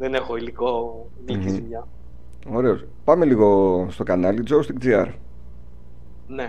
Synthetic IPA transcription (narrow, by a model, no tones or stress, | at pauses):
ðenexoiliko | ilikiiɲɐ | o̞ɾe̞o̞s | pɐmeliɣo̞st̪o̞kɐnɐlid͡zowst̪ikd͡ziɐ̰ɾ | ne